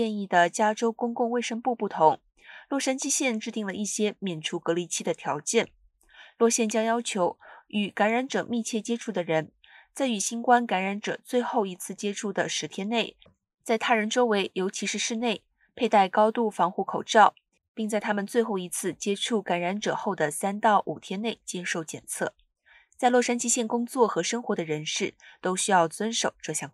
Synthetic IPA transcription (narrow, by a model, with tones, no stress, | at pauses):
ɛ˥˧ni˥˩d̪ə˩t͡ɕja˥ʈ͡ʂo˥ʊkʊ˥ŋkʊ˥˧ŋwe˥˩ɪʂɤ˥ŋpu˥˧pu˥˩t̪ʰʊ˧˥ŋ | lwɔ˥˩ʂa˥nt͡ɕi˥ɕjɛ˥˧nʈ͡ʂɻ̩˥˧t̪i˥˩ŋlə˩ʔi˥˩ɕjɛ˥mjɛ˨˩nʈ͡ʂʰu˧˥kɤ˧˥li˧˥t͡ɕʰi˥d̪ə˨t̪ʰjɑ˧˥ʊt͡ɕjɛ˥˩n | lwɔ˥˧ɕjɛ˥˩nt͡ɕjɑ˥ŋjɑ˥ʊt͡ɕʰjo˧˥ʊy˨˩ka˧˥nɻa˧˥nʈ͡ʂɤ˨˩mi˥˧t͡ɕʰjɛ˥˩t͡ɕjɛ˥ʈ͡ʂʰu˥˩d̪ə˩ɻə˧˥n | t͡sa˥˩ɪy˨˩ɕi˥nkwa˥nka˧˥nɻa˧˥nʈ͡ʂɤ˨˩t͡swe˥˧ɪxo˥˩ʊi˧˥t͡sʰɹ̩˥˩t͡ɕjɛ˥ʈ͡ʂʰu˥˩d̪ə˩ʂɻ̩˧˥t̪ʰjɛ˥nne˥˩ɪ | t͡sa˥˩ɪt̪ʰa˥ɻə˧˥nʈ͡ʂo˥ʊwe˧˥ɪjo˧˥ʊt͡ɕʰi˧˥ʂɻ̩˥˧ʂɻ̩˥˧ne˥˩ɪ | pʰe˥˧ɪt̪a˥˩ɪkɑ˥ʊt̪u˥˩fɑ˧˥ŋxu˥˩kʰo˨˩ʊʈ͡ʂɑ˥˩ʊ | pi˥˧ŋt͡sa˥˩ɪt̪ʰa˥mə˨nt͡swe˥˧ɪxo˥˩ʊi˧˥t͡sʰɹ̩˥˩t͡ɕjɛ˥ʈ͡ʂʰu˥˩ka˧˥nɻa˧˥nʈ͡ʂɤ̰˨˩xo˥˩ʊd̪ə˩sa˥nt̪ɑ˥˩ʊʔu˨˩t̪ʰjɛ˥nne˥˩ɪt͡ɕjɛ˥ʂo˥˧˩ʊt͡ɕjɛ̰˨˩nt͡sʰɤ̰˥˩ | t͡sa˥˧ɪlwɔ˥˩ʂa˥nt͡ɕʰi˥ɕjɛ˥˩nkʊ˥ŋt͡swɔ˥˩xɤ˧˥ʂə˥ŋxwɔ˧˥d̪ə˧ɻə˧˥nʂɻ̩˥˩t̪o˥ʊɕy˥jɑ˥˩ʊt͡swə˥nʂo˨˩ʊʈ͡ʂɤ˥˧ɕjɑ˥˩ŋ